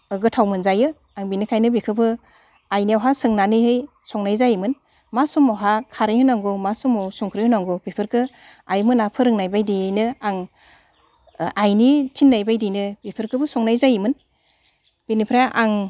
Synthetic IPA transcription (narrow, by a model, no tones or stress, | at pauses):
ɯɡɯtʰawmɯnzajɯ | aŋbinikʰajnɯbikʰɯbʰɯ | ajniawɦasɯŋnanɯhɯj | sɔŋnajzajmɯn | masumɔwɦakʰaɾɯjhɯnaŋɡumasumɔwsuŋkʰɾɯjhɯnaŋɡubipʰɯɾkʰɯajmɯnapʰɯɾɯŋnajbajdijɯnɯaŋ | ajnitʰinːajbajdijnɯbipʰɯɾkʰɯbɯsɔŋnajzajimɯn | b̥inipʰɾaʔaŋ